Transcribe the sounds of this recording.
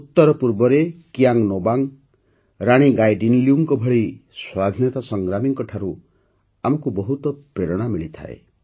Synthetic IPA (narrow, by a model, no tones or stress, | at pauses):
ut̪ːɔɾɔpuɾbɔɾekijaŋnobaŋ | ɾaɽ̃iɡajɖinliuŋkɔbʱɔɭiswad̪ʱinjɔt̪asɔŋɡɾamiŋkɔʈʰaɾu | amɔkubɔɦut̪ɔpɾeɾɔɽ̃amiɭit̪ʰa̰ḛ